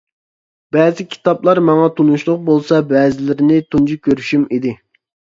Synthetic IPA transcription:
b̥ɛːzɪkʲʰi̥t̪ɑblˠɑɾmɑŋɑt̪ʰunuʃlˠʊq̚bolˠsɑbɛːzɪlɪɾɪnɪt̪ʰund͡ʒikʲʰøɾyʃymid̪ɪ

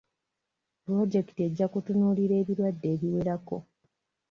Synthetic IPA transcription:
pɾo̞ɟe̞ki̥tie̞ɟːakutunuːliɾe̞ːβiɾwadːe̞ːβiweɾako̞̰

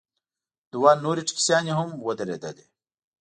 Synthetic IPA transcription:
d̪̥uwaːnuːɾiʈ͡ʂʰi̥ksjaːniɦumwɐd̪ɐɾḛd̪ɐd̪i

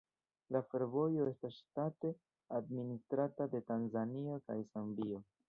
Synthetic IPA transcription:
lafe̞ɾvo̞jo̞e̞stastate̞ | administɾatade̞tanzanio̞kajsambio̞

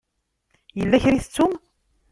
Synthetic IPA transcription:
jəlːæçɾiθət͡sːum

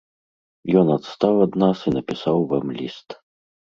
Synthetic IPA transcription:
jɔnɐt̪st̪awad̪nasinɐpʲisawvamlʲist̪

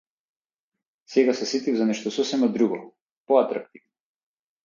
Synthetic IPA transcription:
sɛɡasɛsit̪ivzanɛʃt̪ɔsɔsɛmad̪ɾuɡɔ | pɔat̪ɾak̚t̪ivnɔ

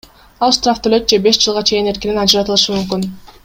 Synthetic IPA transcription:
ɑlˠʃt̪raft̪ʰølø̞t̪̚d͡ʒe̞be̞ʃd͡ʒɯlˠʁɑt͡ʃʰe̞jine̞ɾkininɑd͡ʒɯɾɑt̪ɯlˠɯʃɯmymk̬yn

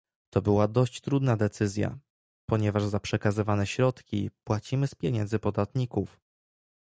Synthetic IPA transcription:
t̪ɔbɘwad̪ɔɕt͡ɕt̪ɾud̪nad̪ɛt̪sɘzʲja̰ | pɔɲɛvaʐzapʂɛkazɘvanɛɕɾɔt̪kʲḭpwat͡ɕimɘspʲjeɲɛnd̪zɘpɔd̪at̪ɲikuf

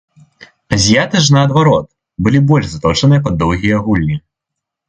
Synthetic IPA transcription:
ɐzʲijat̪ɨʂ̬nɐːd̪vaɾɔt̪̚ | bɨlʲibɔlʲʐzat̪ɔt͡ʂɐnɨjɐp̬ɐd̪ːɔwɣʲijɐɣulʲnʲi

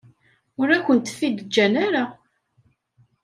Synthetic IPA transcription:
ʊɾækʷːənt̪ə̥fːid̪d͡ʒːænaɾa

